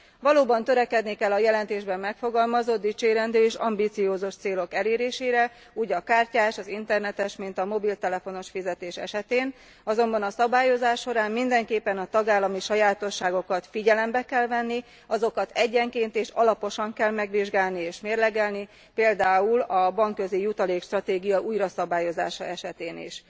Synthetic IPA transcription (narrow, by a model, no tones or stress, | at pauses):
vɒloːbɒnt̪ø̞ɾɛkɛd̪nikɛlːɒjɛlɛnt̪eːʒbɛmːɛkfo̞ɡɒlmɒzo̞d̪̚d̪it͡ʃeːɾɛnd̪øːeːʃɒ̰mbit̪sijoːzuʃt̪seːlo̞kɛleːɾeːʃeːɾɛ | uːɟɒkaːrcaːʃɒzint̪ɛrnɛt̪ɛʃmint̪ɒmo̞bilt̪ɛlɛfo̞no̞ʃfizɛt̪eːʃɛ̰ʃɛt̪eːn | ɒzo̞mbɒnɒsɒbaːjo̞zaːʃːo̞ɾaːmmind̪ɛŋkeːpːɛnɒt̪ɒɡaːlːɒmiʃɒjaːt̪o̞ʃːaːɡo̞kɒt̪fiɟɛlɛmbɛkɛlvɛnːi | ɒzo̞kɒt̪ɛɟːɛŋkeːnt̪eːʃɒlɒpo̞ʃɒŋkɛlmɛɡʋiʒɡaːlnieːʃmeːrlɛɡɛlni | peːld̪aːulɒbɒŋkːø̞zijut̪ɒleːkʃt̪rɒt̪eːɡijɒʔuːjrɒsɒbaːjo̞za̰ːʃɒɛʃɛt̪eːnḭʃ